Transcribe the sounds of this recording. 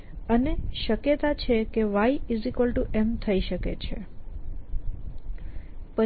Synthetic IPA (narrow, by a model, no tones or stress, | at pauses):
əneʃəkjət̪at͡ʃʰekeʋaiizikəlʈuʔemt̪ʰəiʃəket͡ʃʰe | pə